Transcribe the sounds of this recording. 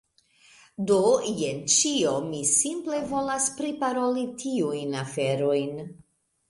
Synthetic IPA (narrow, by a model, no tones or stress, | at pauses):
dojent͡ʃiomisimple̞vo̞laspɾipaɾo̞litʰiujnafe̞ɾo̞jn